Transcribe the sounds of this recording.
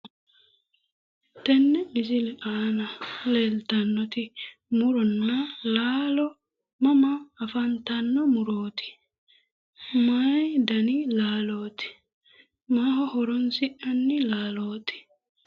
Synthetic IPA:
t̪ɛnːɛmɪs̬ɪlɛʔaːnɐleːlt̪ɐnːɔt̪ɪmʊɾɔnːɐlaːlɔ | mɐmɐːfɐnt̪ɐnːɔmʊɾoːt̪ɪ̥ | maːjd̪ɐnɪlaːloːt̪ɪ̥ | maːhɔhɔɾɔnsɪʔɐnːɪlaːloːt̪ɪ̥

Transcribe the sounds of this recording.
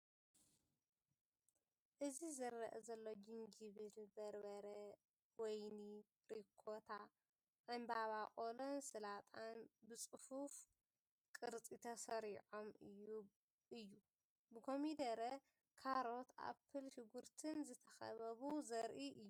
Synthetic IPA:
ʔɨzizɐɾːɐʔɐzɐlːo̞d͡ʒiŋɡiβɨlbɐɾbɐɾɐ | wɔjni | ɾikʰot̪ʰa | ʕɨmbaβaχʼolonsɨlat̪ʰʼanbɨt͡sʼɨfuf | kʼɨɾt͡sʼit̪ʰɐsɐɾiʕomɨju | ɨjːu | bɨkʰo̞mid̪ɐɾɐ | kʰaɾo̞t̪ʔa̰pʰːɨlʃɪɡuɾt̪ʰɨnzɨt̪ʰɐxɐ̰βɐβuzɐɾʔiʔɨjːu

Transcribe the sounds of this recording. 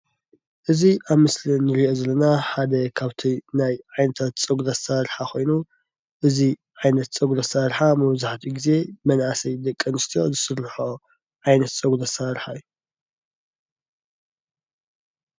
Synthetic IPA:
ʔɨziʔaβmɨslinːɨɾiʔo̞zɐlːɐnaħad̪ɐkʰaβt̪ʰinajʕajnɐt̪ʰat̪t͡sʼɐɡulɐsaɾħakʰo̞jnu | ʔɨziʕajnɐt̪t͡sʼɐɡlɐsaɾħamɐβzaħt̪ʰiɡize̞mɐnʔasɐjd̪ɐkʼːɐnɨst̪ʰijo̞̰zɨsɨɾːħo | ʕajnɐt̪t͡sʼɐɡlɐsaɾħaju

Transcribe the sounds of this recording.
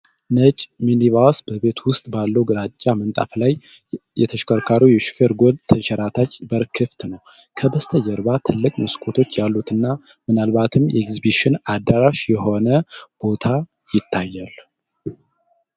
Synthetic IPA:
nət͡ʃʼminiβawsbəβe̞t̪ʰwʊst̪ʼbalːəwɡɨɾat͡ʃʼːamənt̪ʼa̰flaj | jɛ̰t̪ʰəʃkəɾkʰaɾəjɛʃfeɾɡo̞lt̪ʰəʃɛɾat̪ʰat͡ʃːbəɾkʰɨft̪nəw | kʰəbəst̪ʰəjɛɾbat̪ʰɨlːɨkʼmɨskʰʼot̪ʰo̞t͡ʃːjalːut̪ɨnːa | mɨnalbat̪ʰɨmjʔɛekzibiʃɪnad̪ːəɾaʃjɛho̞nəb̥o̞t̪ʰa | jɪt̪ʰːajːal

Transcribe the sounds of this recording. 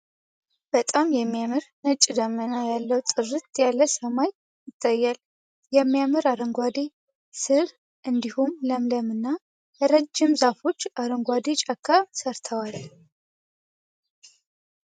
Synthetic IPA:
b̥ət̪ʼamjɛmːijamɨɾnət͡ʃʼd̪əmənajalːəwt̪ʼɨrːɨt̪jalːəsəmaj | jɪt̪ʼːəjːal | jɛmːijamɨɾaɾəŋɡʷad̪e | sɨɾ | ʔɨnd̪ihumləmləmɨnːa | ɾəd͡ʒːɪmzafo̞t͡ʃːaɾəŋɡʷad̪et͡ʃʼakʰːasəɾt̪ʰəwal

